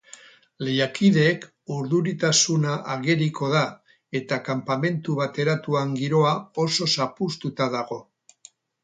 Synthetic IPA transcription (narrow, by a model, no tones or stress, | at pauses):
le̞jakiðe̞ːk | uɾðuɾit̪asunaʔaɣe̞ɾikʰo̞ð̞a | e̞t̪akampame̞nt̪uβat̪e̞ɾat̪uaŋɡiɾo̞ao̞so̞sapust̪ut̪aðaɣo̞